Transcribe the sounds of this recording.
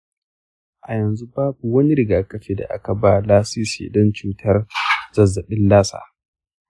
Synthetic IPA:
ʔa˨jɐ˨nzu˦baː˦bu˨wɐ˦ni˦ɾɪ˨ɡaː˨kʼɐ˦ɸeː˦da̰˨ʔa̰˦ka˨ba˦laː˦si˦sḛː˨dɔ˦nt͡ʃuː˦tʰɐ˦rzɐ˨zːɐ˨ɓɪ˦nlaː˦sa̰ː˨

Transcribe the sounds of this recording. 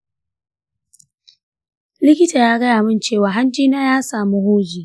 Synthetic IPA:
lɪ˦kʲɪ˦ta˨jaː˦ɡɐ˦jaː˨mɪ˦˨nt͡ʃeː˦˨waː˨ɦa˦nd͡ʒiː˦naː˦jaː˦saː˨mu˦hoː˦d͡ʒiː˨

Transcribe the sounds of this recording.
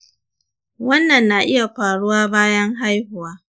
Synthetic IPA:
wɐ˦nːɐ˨nːaː˨ʔɪ˦ja˨ɸaː˨ɽʊ˦waː˦baː˦jɐ˦ŋɦa˦jhʊ˨waː˦

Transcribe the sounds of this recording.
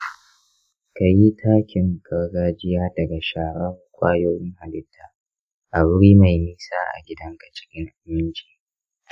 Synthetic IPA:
ka˨ji˦tʰaː˦kʲɪ˨ŋɡɐ˨ɽɡaː˦d͡ʒɪ˦jaː˦dɐ˨ɡa˨ʃaː˨ɽɐ˦˨kʷʼaː˦joː˦jɪ˦ŋha˨lɪ˦tʰːaː˨ | ʔa˨bʊ˦ɽiː˦ma˨jmiː˦saː˦ʔa̰˨ɡʲɪ˦dɐ˦ŋkɐ˨t͡ʃʼɪ̥˦kʲʼɪ˦ŋʔa˨mɪ˦nt͡ʃi̥ː˨

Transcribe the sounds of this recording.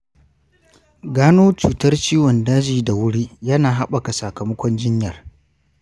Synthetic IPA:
ɡaː˦noː˦t͡ʃuː˨tɐ˦rt͡ʃiː˦wɔ˨ndaː˦d͡ʒiː˨da˨wʊ˦ɽi˦jɐ˦naː˨ɦa˦ɓɐ˨ka˨sɐ˨kɐ˨mɐ˦kʷɔ˦nd͡ʒɪ˦ɲjɐ˨r

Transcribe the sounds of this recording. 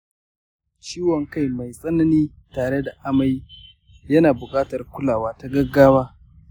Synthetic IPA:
t͡ʃiː˦wɔ˨ŋka˦jma˨jsʼɐ˦nɐ˦niː˦ | taː˨ɽe˦da˨ʔa˦ma˦j | jɐ˦naː˨bʊ˨kʼaː˦tɐ˨rkʷʊ˦laː˨waː˦ta˨˦ɡɐ˦ɡːaː˦waː˦

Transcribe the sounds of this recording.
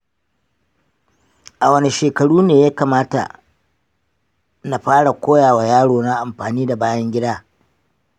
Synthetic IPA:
ʔa˨wɐ˨ni˨ʃeː˨kɐ˨ɽuː˦neː˨jaː˦kaː˨maː˦ta̰˨ | na˨ɸaː˦ɽa˨kʷoː˦jaː˨wa˨jaː˦ɽoː˨na˦ʔa˨mɸaː˨niː˦da˨baː˦jɐ˦ŋɡʲɪ˦daː˦

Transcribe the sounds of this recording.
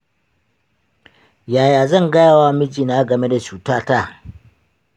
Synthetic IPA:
jaː˨jaː˨zɐ˦˨ŋɡɐ˦jaː˨waː˦mɪ˦d͡ʒiː˨naː˦ɡɐ˨me˦da˨t͡ʃuː˨taː˦ta˦˨

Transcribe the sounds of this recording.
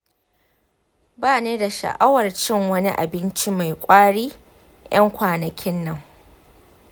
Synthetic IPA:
baː˦˨neː˦da˨ʃɐ̰˨ʔa˦wɐ˨rt͡ʃɪ˦ŋwɐ˦ni˦ʔa̰˨bɪ˦nt͡ʃi˦ma˨jkʷʼaː˦ɽiː˦ | jɐ˦ŋkʷaː˨nɐ˨kʲʰɪ˦nːɐ˦˨ŋ

